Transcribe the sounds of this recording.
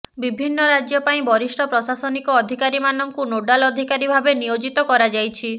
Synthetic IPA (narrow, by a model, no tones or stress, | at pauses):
bibʱinːɔɾad͡ʒjɔpaĩbɔɾisʈʰɔpɾɔsasɔnikɔːd̪ʱikaɾimanɔŋkunoɖalɔd̪ʱikaɾibʱabenijod͡ʒit̪ɔkɔɾad͡ʒajt͡ʃʰi